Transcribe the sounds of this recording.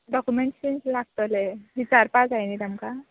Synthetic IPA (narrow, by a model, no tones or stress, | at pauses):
ɖɔkumeɳʈɕenslaɡ̚t̪əleʋit͡saɾpãt͡sajnit̪amka